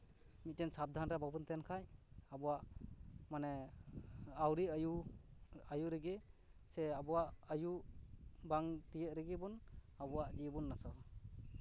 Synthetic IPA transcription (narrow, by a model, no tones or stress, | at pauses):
mit̚tensab̚d̪ʱanɾababunt̪ɛnkʰajabɔwaʔmane | awɾiju | ajuɾeɡeseabuwaʔaju | baŋtijɯʔ̚ɾiɡibunabuwaʔd͡ʒibunːasɔ